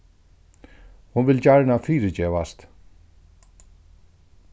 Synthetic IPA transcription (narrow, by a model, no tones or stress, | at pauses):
hʊnvɪld͡ʑaɹɳafiːɾəd͡ʑeːʋast̪